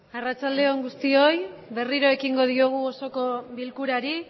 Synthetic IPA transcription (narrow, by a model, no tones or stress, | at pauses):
arat͡ʃald̪e̞o̞ŋɡust̪io̞jβe̞riɾoe̞kiŋɡo̞ð̞ioɣ̞uoso̞ko̞βilkuɾaɾi